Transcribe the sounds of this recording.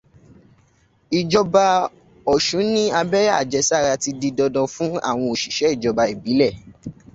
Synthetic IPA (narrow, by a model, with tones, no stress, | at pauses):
i˨d͡ʒɔ˧ba˧ | ɔ˨ʃũ˨˦nĩ˦a˧bɛ˦ja˦˨d͡ʒɛ˨˦sa˦˨ɾa˧ti˧di˧dɔ˧dɔ̃˧fũ˦a̰˦˨w̃ɔ̃˧o˨ʃi˨ʃɛ˨˦i˦˨d͡ʒɔ˧ba˧e˨bi˨˦lɛ˦˨